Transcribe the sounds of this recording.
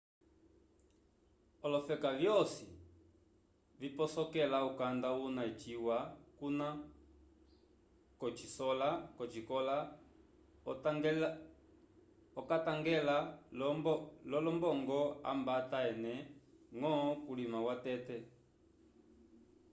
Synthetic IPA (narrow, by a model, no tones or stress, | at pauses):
ɔlɔfɛkavjɔsi | vipɔsɔkɛlaukandaunait͡ʃiwakuna | kɔt͡ʃisɔlakɔt͡ʃikɔla | ɔkataŋɡɛla | lɔlɔmbɔŋɡɔa̰mbataɛnɛŋɔkulimawatɛtɛ